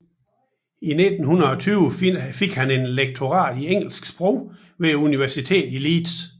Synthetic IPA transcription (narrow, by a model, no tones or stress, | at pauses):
ine̝d̥n̩hunɐɒ̽t͡sʰyːʊəfeɡ̥hæne̝nleɡ̥̚t͡sʰo̝ʁɑ̰̈ːd̥ieŋ̰l̩sɡ̥sb̥ʁɔʊ̰ | ʋeuniʋæɐsit͡sʰe̝̰ːd̥iliːd̥s